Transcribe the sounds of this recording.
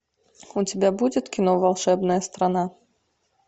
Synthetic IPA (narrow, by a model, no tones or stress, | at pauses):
ut͡sʲabʲabud͡zʲɛt̪kʲinɔvalˠʂɛbnɐjɐst̪ɾana